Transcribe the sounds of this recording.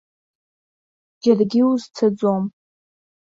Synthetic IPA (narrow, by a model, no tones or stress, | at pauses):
d͡ʒarɡʲɪuzt͡sʰad͡zʷom